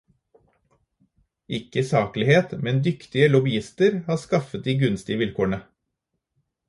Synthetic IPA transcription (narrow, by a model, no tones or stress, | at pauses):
ɪkəsɑːklɪheːt̪mɛnd̪ʏkt̪ɪəlɔbɪɪst̪əɾhɑːskɑfət̪̚d̪iːɡʉnst̪ɪəʋɪlkʰoːɳə